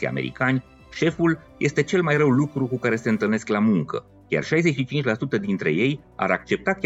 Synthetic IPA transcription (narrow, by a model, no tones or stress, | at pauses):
ija̰mḛɾḭkanʲ | ʃe̞fulje̞st̪e̞t͡ʃe̞lmajrəwlukɾukukaɾe̞se̞ɨnt̪ɨlne̞sklamuŋkə̰ | kʲja̰rʃajze̞ʃit͡ʃint͡ʃlasut̪əd̪int̪ɾe̞̰je̞j | a̰ɾak̚t͡ʃe̞p̚t̪akʲ